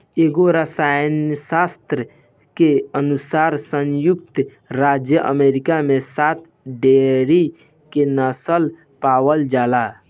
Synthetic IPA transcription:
eɡoɾəsajnəsast̪ɾə | keənusaɾsə̃njuk̚t̪ | ɾad͡ʒjəʔə̰meɾikamesat̪ | ɖeɾi | kenəsəl | pawəld͡ʒala

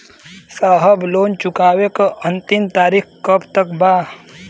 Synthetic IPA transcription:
saːɦəbloːnt͡ʃʊkaːwekaʔə̃nt̪ɪmt̪aːɾikkəpt̪əkbaː

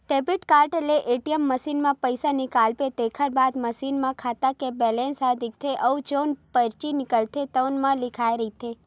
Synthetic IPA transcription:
ʈebiʈkaɾʈeleʔeʈijəmːəsinmãpəjsanikalpet̪ekʰəɾbad̪məsinmãkʰat̪akebɛlensad̪ik̚t̪ʰeʔəud͡ʒonpəɾt͡ʃinɪkəlt̪ʰet̪ənmãlɪkʰajɾəɦit̪ʰe

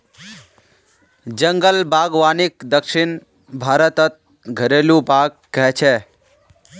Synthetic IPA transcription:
d͡ʒəŋɡəlbaːɡʋaːnɪkd̪əkʃɪn | bʱaːɾət̪ət̪̚ | ɡʱəɾeːlũpaːkːɛɦt͡ʃʰeː

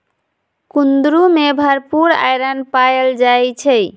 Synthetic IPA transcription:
kund̪ɾumebʱəɾpuɾa̰jɾənpajəld͡ʒajt͡ʃʰɛ

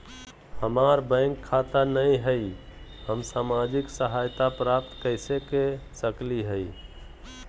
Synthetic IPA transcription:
həmaɾbə̃ɪŋkʰːat̪anəjɦəjhəmsamad͡ʒiksəɦajt̪apɾap̚t̪kəɪsekesəkliɦəj

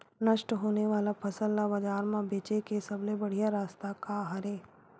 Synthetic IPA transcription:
nɐʃʈɦoːneʋaːlapʰɐsəlːabɐd͡ʒaːɾmãbeːt͡ʃekesɐblebɐɽ̤ijaɾaːst̪akaɦɐɾeː

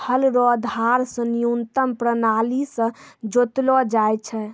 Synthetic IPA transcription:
hʰəlɾɔd̪ʱaɾsə̃nijunt̪əmpɾənalisə̃d͡ʒot̪lɔd͡ʒajt͡ʃʰɛ

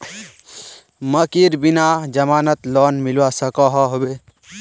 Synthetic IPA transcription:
məkiɾbinad͡ʒəmaːnət̪lɔnmilwasəkɔɦɔɦobe

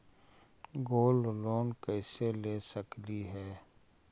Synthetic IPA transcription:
ɡoːlloːnkɛːseleːsəkliɦɛː

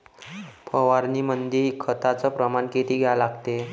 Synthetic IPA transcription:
pʰəʋaɾniːmənd̪ʱikʰət̪at͡səpɾəmanket̪iːɡʱejalaɡt̪e

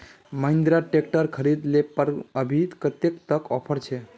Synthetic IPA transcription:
məɪ̃nd̪ɾaʈek̚ʈəɾkʰəɾid̪lepəɾəbʱid̪kət̪ekt̪əkɔpʰəɾt͡ʃʰe

